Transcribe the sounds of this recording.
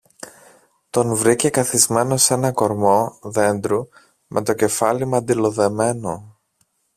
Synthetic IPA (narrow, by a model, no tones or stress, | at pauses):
t̪o̞nvɾicekɐθizme̞no̞se̞nɐko̞ɾmo̞ðe̞nd̪ɾu | mʔe̞t̪o̞ce̞fɐlimɐnd̪ilo̞ðe̞me̞no̞